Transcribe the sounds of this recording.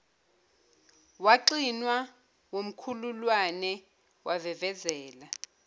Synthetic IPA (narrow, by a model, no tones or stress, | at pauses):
waǃinwa | wom̩kʰululwanɛ | wavɛvɛzɛːla